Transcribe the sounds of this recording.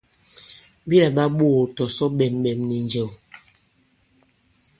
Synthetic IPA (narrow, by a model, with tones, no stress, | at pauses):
bi˦lɛ˨ɓa˦ɓoː˦˨tɔ˨sɔ˦ɓɛ˨mɓɛ˨mni˨nd͡ʒe˨w